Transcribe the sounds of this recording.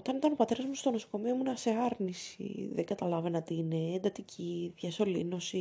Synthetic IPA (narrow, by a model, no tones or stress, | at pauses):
o̞t̪ɐnit̪ɐno̞pɐt̪e̞ɾɐzmost̪o̞no̞so̞̥ko̞miomunɐse̞ɐɾnisḭðeɡɐt̪ɐlɐvenɐt̪iːne̞ːnd̪ɐt̪icʰiðʝɐso̞lino̞si